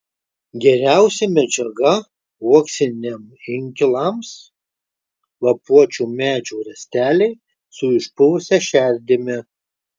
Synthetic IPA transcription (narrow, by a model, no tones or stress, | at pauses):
ɡʲɛɾʲæˑʊsʲɛmʲɛd͡ʒʲɛɡɐ | uɔksʲɪnʲemɪŋʲkʲɪlˠɑms | lˠɐpuɔt͡ʃʲuːmʲæːd͡ʒʲuːɾʲɛsʲt̪ʲæːlʲɛɪ | sʊɪʃpʊʋʊsʲɛʃʲæˑɾʲd̪ʲɪmʲɪ